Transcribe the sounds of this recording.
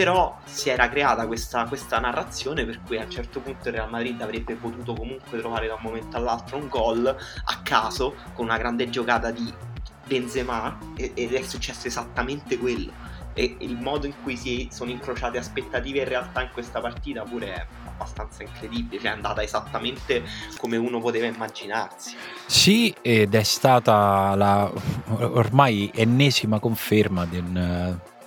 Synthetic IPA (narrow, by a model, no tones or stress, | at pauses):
peɾɔ | siɛːɾakɾeaːt̪akwest̪akwest̪anarːat̪sːjoːneperkujaunt͡ʃɛrt̪opunt̪oilrealmad̪ɾid̪avɾebːepot̪uːt̪okomuŋkwet̪ɾovaːɾed̪aumːoment̪oalːalt̪ɾouŋɡɔla̰kːaːzo | konunaɡɾand̪ed͡ʒokaːt̪ad̪i | benzema | eed̪ɛsːut͡ʃːɛsːoezat̪ːament̪ekwelːo̰ | eilmɔːd̪oiŋkujsiɛsoːnoiŋkɾot͡ʃaːt̪easpet̪ːat̪iːveinrːealt̪aiŋkwest̪apart̪iːt̪apuːɾeɛ̰ | a̰bːast̪ant̪saiŋkɾed̪ibilet͡ʃɛand̪a̰ːt̪aezat̪ːament̪ekomeuːnopot̪eːvaimːad͡ʒinarsi̥ | sied̪ɛst̪aːt̪ala | ormajenːɛːzimakoɱfermad̪en